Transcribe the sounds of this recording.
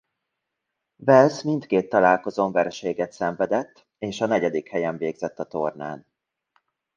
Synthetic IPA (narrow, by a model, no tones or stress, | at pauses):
vɛlsmint̪keːt̪ːɒlaːlko̞zoːɱvɛrʃeːɡɛt̪sɛɱvɛd̪ɛt̪ː | eːʃɒnɛɟɛd̪ikhɛjɛɱveːɡzɛt̪ːɒt̪o̞rna̰ːn